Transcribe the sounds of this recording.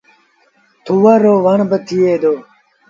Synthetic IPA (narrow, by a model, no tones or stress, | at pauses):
t̪ʰuwɐɾoːʋɐɳbət̪ʰieːd̪oː